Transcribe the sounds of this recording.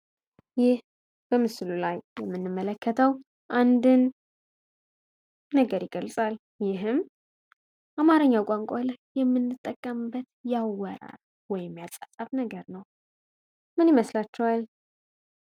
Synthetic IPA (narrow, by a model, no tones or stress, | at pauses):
jɪh | b̥əmɨslulajːɛmːɨnːɨmːələkːət̪ʰəw | ʔand̪ɨn | əɡəɾɪɡəlsʼal | jɪɦɨm | ʔamaɾəɲːawkʷʼaŋkʷʼalajːɛmːɨnːɨt̪ʼːəkʼːəmbːət̪jawəɾa̰ɾ | wɔjɪmjasʼasʼaβnəɡəɾnəw | mɨniməslat͡ʃːɛwal